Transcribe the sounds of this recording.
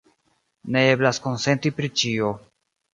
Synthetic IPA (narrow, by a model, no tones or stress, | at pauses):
ne̞e̞blasko̞nse̞ntipɾit͡ʃio̞